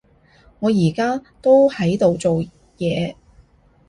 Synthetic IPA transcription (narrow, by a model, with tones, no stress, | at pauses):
ŋɔː˨˧jiː˨˩kaː˥t̪o˥whɐ˨˥jt̪o˨wt͡so˨w | jɛː˨˧